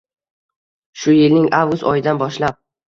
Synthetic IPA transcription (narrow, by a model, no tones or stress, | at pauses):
ʃʊjɪlnɪŋʔawɡʊst̪ɒjɪd̪anbɒʃlap̚